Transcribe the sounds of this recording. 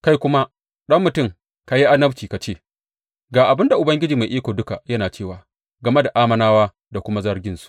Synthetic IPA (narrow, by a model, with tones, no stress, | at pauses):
ka˦jkʷʊ˦ma˦ | ɗɐ˦mːʊ˨tʊ˦˨ŋ | ka˨˦ji˦ʔa˦nɐ˦bt͡ʃiː˨ka˨t͡ʃeː˦˨ | ɡaː˨ʔa˨bɪ˦nda˨ʔʊ˨bɐ˦ŋɡʲɪ˦d͡ʒiː˨ma˨jʔiː˦kʷoː˨dʊ˦ka˨jɐ˦naː˨t͡ʃeː˦˨waː˨ | ɡɐ˨me˦da˨ʔaː˦mɐ˦naː˦waː˦ | da˨kʷʊ˦ma˦zɐ˦ɽɡʲɪ˦nsu̥˦ʔ